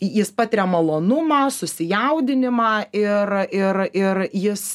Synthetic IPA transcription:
jɪspɑːt̪ʲɪɾʲɛmɐlˠoːnʊmɑːsʊsʲɪjɛʊd̪ʲɪnʲɪmɑːɪrɪrɪrjɪs

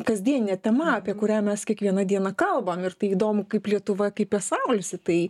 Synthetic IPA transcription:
kɐzʲd̪ʲiɛnʲɪnʲɛt̪ʲɛmɐɐpʲiɛkʊɾʲæːmʲɛskʲiɛkʋʲiɛnɐd̪ʲiɛnɐkɐlˠbɐmɪrt̪ɐɪiːd̪oːmʊkɐɪplʲiɛt̪ʊʋɐkɐɪpɛsɐʊlʲɪsʲɪt̪ɐɪ

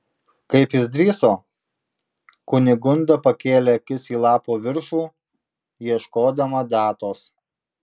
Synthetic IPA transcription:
kɐɪpjɪsd̪ʲɾʲiːsoː | kʊnʲɪɡʊnd̪ɐpɐkʲeːlʲɛɐkʲɪsiːlˠɑːpoːʋʲɪɾʃuː | jiɛʃkoːd̪ɐmɐd̪ɑːt̪oːs

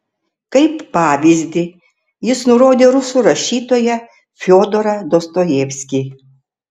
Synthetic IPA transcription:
kɐɪpːɑːʋʲizʲd̪ʲɪ | jɪsnʊɾoːd̪ʲeːɾʊsuːɾɐʃʲiːt̪oːjɛ | fʲoːd̪oɾɐd̪ost̪ojɛːʋʲsʲkʲi

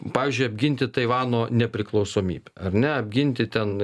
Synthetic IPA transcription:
pɑːʋʲiːzʲd͡ʒʲʊɪɐbʲɡʲɪnʲt̪ʲɪt̪ɐɪʋɑːnoːnʲɛpʲɾʲɪklˠɒʊsoːmʲḭːbʲɛɐɾʲnʲɛɐbʲɡʲɪnʲt̪ʲɪt̪ʲɛn

